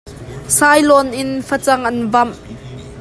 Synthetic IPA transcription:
sajlɔnʔɪnfɐt͡sɐŋʔɐnvɐm

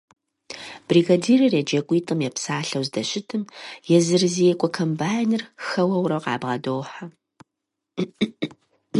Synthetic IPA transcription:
b̥riːɡadiːrɨred͡ʒɐkʷʼiːtʼɨmjɛpsaːɬɐwzdɐɕɪtʰɨmjɛzɨrɨzijɛkʷʼɔkʰɐmbaːjnɨrxɐwɐwɾɐqɑ̰ːbʁɐdoːħa

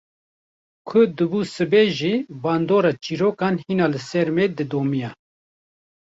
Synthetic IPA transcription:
kʰʊd̪ɨbuːsɨbeːʒiːbɑːnd̪oːɾɑːt͡ʃiːɾoːkɑːnhiːnɑːlɨsɛɾmeːd̪ɨd̪oːmijɑ

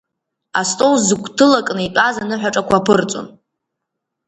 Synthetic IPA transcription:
astʼowzɨkʷʰʼtʰɨlakʼnɨipʷʼazanɨħʷᶣaʈ͡ʂʼakʷapʰɨrt͡sʼo̰n

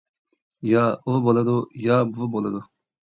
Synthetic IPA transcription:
jɑubolˠɨd̪ujɑbubolˠɨd̪u

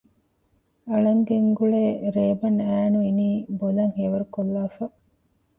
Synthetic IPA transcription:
ɐɭɐŋɡeŋɡuɭeːɾeːbɐnæːnuiniːbolɐŋheːʋɐɾukolːaːfɐ

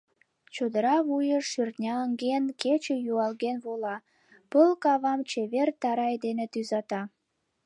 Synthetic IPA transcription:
t͡ɕod̪əɾɑβujəʃyrt̪nʲɑəŋɡenket͡ɕejuɑlɣenβolɑ | pəlkɑβɑmt͡ɕeβert̪ɑɾɑjd̪enet̪yzɑt̪ɑ

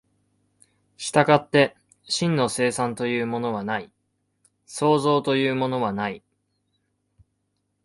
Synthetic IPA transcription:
ɕi̥t̪aɡat̪ːe̞ | ɕĩnːo̞se̞ːsãnt̪o̞jɯ̟ːmo̞no̞β̞anai | so̞ːzo̞ːt̪o̞jɯ̟ːmo̞no̞βanai

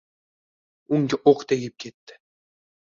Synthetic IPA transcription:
uŋɡʲɪʔoqt̪eɡʲɪp̚kʲʰet̪ːɪ̥

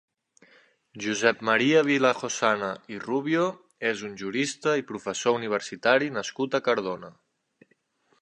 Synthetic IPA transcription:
ʒuzɛp̚məɾiəβ̞iləxosanəiruβjo | ezunʲʒuɾist̪əipɾufəsouniβ̞əɾsit̪aɾinəskut̪əkəɾð̞onə

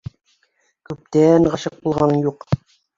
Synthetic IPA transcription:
kʉp̚t̪ænɢɑʃɤq̚bulˠʁɑnɤjuq

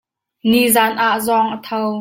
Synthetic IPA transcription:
nizaːnʔaʔzɔŋʔət̪ʰɔw

